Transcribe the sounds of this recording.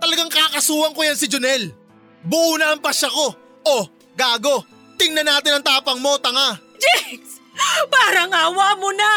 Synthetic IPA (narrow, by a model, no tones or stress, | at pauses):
t̪ɐlɐɡaŋkaːkɐsuːhɐŋkojansɪd͡ʒʊnɛl | bʊʔuːnɐɐŋpɐʃɐko̞ | ʔo | ɡaːɡo̞ | t̪ɪŋnɐnaːt̪ɪnɐŋt̪aːpɐŋmo̞t̪ɐŋa | d͡ʒɛks | paːɾɐŋaːwaːmona